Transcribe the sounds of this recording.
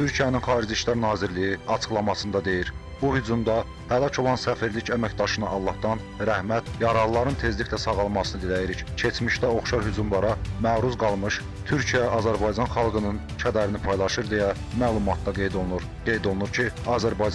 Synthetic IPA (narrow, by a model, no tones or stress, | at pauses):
t̪ʰyɾcʰijæninχɑːɾid͡ʒiʃlæɾnɑːziɾlijiɑt͡ʃʰɯ̥χlˠɑmɑsɯnd̪ɑd̪e̞jiɾ | b̥uhyd͡ʒumd̪ɑ | hælˠɑcʰo̞lˠɑnsæfiɾlicæmæcd̪ɑʃɯnɯʔɑlˠːɑhd̪ɑn | ɾæhmæt̪jɑɾɑlˠlːˠɑɾɯnt̪ʰe̞zlicʲlæsɑɣɑlˠmɑsɯnɯd̪ilæjiɾiccʰe̞t͡ʃmiʃt̪æo̞χʃɑɾhyd͡ʒumlˠɑɾɑmæːɾuzɡɑlˠmɯʃ | t̪ʰyɾcʰijæɑzæɾbɑjd͡ʒɑnχɑlˠɡɯnɯn | t͡ʃʰæd̪æɾinipʰɑjlˠɑʃɯɾd̪ejæ | mæːlˠumɑt̪̚d̪ɑɡejd̪ɾ | ɡ̥e̞jd̪o̞lˠunuɾcʰiɑːzæɾbɑj